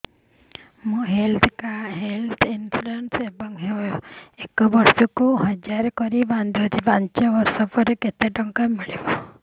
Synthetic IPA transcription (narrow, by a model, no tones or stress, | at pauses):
mũɦelt̪ʰkaɦelt̪ʰinsuɾensebɔŋɦeekɔbɔɾsɔkuɦɔd͡ʒaɾɔkɔɾiband̪iɔt̪ibant͡ʃaosɔpɔɾeket̪eʈɔŋkamiɭibɔ